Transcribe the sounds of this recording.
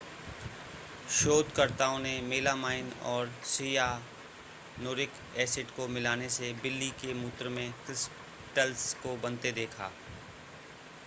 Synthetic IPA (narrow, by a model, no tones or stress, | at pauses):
ʃoːd̪kɐɾt̪aːõnemeːlamaːɪnɔːɾsija | noːɾɪk | ɛːsɪʈkomɪlaːnesebɪlːikemuːt̪ɾmẽkɪs | ʈəlskobɐ̃nt̪ed̪eːkʰa̰ː